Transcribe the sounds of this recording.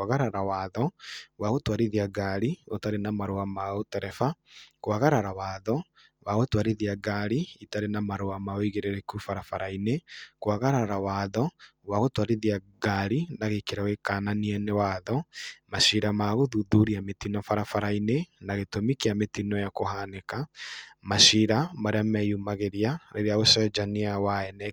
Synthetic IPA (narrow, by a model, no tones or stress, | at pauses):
aɣaɾaɾawaðɔwaɣotwaɾiðiaɡaɾiotaɾenamaɾoamaotɛɾɛfakoaɣaɾaɾawaðɔ | waɣotwaɾiðiaɡaɾiitaɾenamaɾoamaoiɣeɾeɾekufaɾafaɾainekwaɣaɾaɾawaðɔ | waɣotwaɾiðiaɡaɾinaɣekeɾawekananiɛnewaðɔmaʃiɾamaɣoðuðuɾiametinɔfaɾafaɾainenaɣetomikiametinɔjakohanekamaʃiɾamaɾeamɛjumaɣeɾjaɾeɾeaɣosɔd͡ʒaniawaɛnɛ